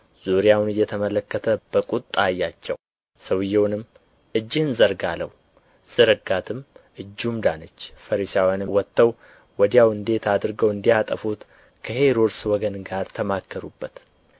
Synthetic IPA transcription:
z̥uɾjawnɨjːɛt̪ʰəmələkːət̪ʰəb̥əkʼut̪ʼːajːat͡ʃːɛw | səwjɛwnɨmː | ɨd͡ʒːɪhɨnzəɾɡalə̰w | z̥ɨɾɨɡat̪ʰɨmʔɨd͡ʒːumd̪anət͡ʃːfəɾisawjanɨwɔt̪ːəw | wɔd̪ijawɨnd̪e̞t̪ʰad̪ɾɡəwɨnd̪ijat̪ʼəfut̪ | kʰəheɾoɾswɔɡənɡaɾt̪ʰəmakʰːəɾubːət̪

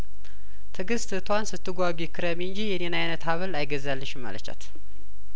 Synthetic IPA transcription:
t̪ʰɨɡɨst̪t̪ʰwansɨt̪ːɨɡʷaɡikʰːɨɾəmiɨnd͡ʒijɛnenajnət̪haβəlajɡəzːalːəʃɪmːa̰lət͡ʃːa̰t̪

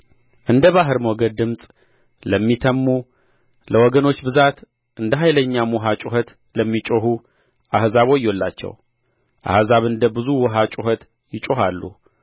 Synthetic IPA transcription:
ʔɨnd̪əβaɦɨɾmwɔɡəd̪d̪ɨmsʼ | ləmːit̪ʰəmːu | ləwɔɡəno̞t͡ʃːbɨzat̪ | ʔɨnd̪əɦajləɲːamuɦat͡ʃʼuɦət̪ | ləmːit͡ʃʼoɦu | ʔahzaβo̞jːolːa̰t͡ʃːɛ̰w | ʔa̰hzaβɨnd̪əbɨzuwɔɦat͡ʃʼuɦət̪ | jɪt͡ʃʼoɦalːṵ

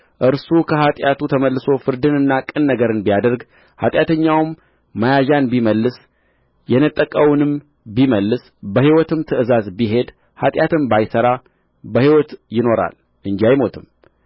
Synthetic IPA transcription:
ʔɨɾsukʰəhat̪ʼjat̪ut̪ʰəməlːɨso̞fɨɾd̪ɨnɨnːakʼɨnːəɡəɾɨnbijad̪əɾɡ | ha̰t̪ʼjat̪ʰəɲːawmː | ajaʒanbiməlːɨs | jɛnət̪ʼːəkʼəwʊnɨm | biməlːɨs | bəhiwɔt̪ʰɨmt̪ʰɨʔɨzazbiɦe̞d̪ | hat̪ʼjat̪ʰɨmbajsəɾa | bəhiwɔt̪jɪno̞ɾa̰l | ʔɨnd͡ʒiajmo̞t̪ʰɨm

